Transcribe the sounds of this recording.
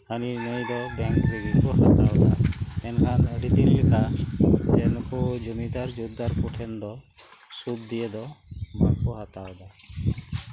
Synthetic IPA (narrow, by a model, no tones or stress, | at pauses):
həninəjd̪ɔbɛŋkbiɡikɔhat̪aɔd̪a̰ɛnkʰanəɖit̪illikʰat̪ɛnkɔd͡ʒumid̪aɾd͡ʒud̪aɾkuʈʰɛnd̪ɔ | sud̪̚d̪ijed̪ɔba̰kɔɦat̪awd̪a